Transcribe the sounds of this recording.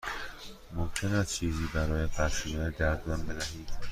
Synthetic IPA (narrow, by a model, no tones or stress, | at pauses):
momcʰe̞næst̪̚t͡ʃʰiːziːbæɾɒːjepʰæɾʃinɒed̪æɾd̪mɒnbe̞d̪æɦiːd̪̥